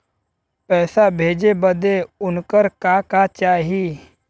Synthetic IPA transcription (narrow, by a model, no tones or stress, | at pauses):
pɛːsabʱeːd͡ʒebəd̪eʊnkəɾkaːkat͡ʃaːɦiː